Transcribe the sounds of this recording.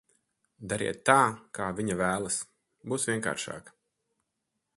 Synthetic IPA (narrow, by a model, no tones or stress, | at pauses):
d̪aɾḭɛt̪ːaːkaːviɲavæːlˠɐs | buːsvʲiɛŋka̰ːɾʃa̰ːkɐ̥